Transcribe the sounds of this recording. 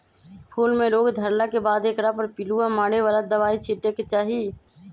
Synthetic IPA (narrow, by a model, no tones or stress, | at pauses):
pʰuːlmẽloːɡd̪ʱəɾlakebaːd̪eːkɾapəɾpɪluamaːɽeʋaːlad̪əʋaːit͡ʃʰiʈeket͡ʃaːɦi